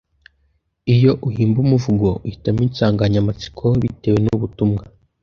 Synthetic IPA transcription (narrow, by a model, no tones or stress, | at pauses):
ijo̞ʔuhiːmbumuvuɡo̞uhitamisaːŋɡaɲamat͡si̥kʰoβite̞we̞nuβutumŋa